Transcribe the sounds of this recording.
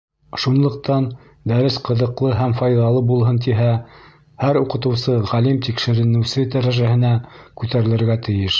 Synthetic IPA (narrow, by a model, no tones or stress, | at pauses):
ʃunlˠɤ̆q̚t̪ɑn | d̪æɾɘsqɤ̆ðɤ̆qlˠɤɦæmfɑjðɑlˠɤbulˠɦɤnt̪̬iɦæ | hæɾuqɤ̆t̪ɤ̆wsɤʁælimt̪ikʃɘ̆ɾɘ̆nɘ̆wsɘd̪æɾæʒæhɘ̆nækʉt̪æɾɘ̆lɘ̆ɾɡæt̪ɘ̆jɘʃ